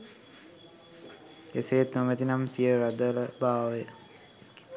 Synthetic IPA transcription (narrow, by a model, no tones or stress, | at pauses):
eseːt̪nomet̪inamsijəɾad̪ələbaːʋəjə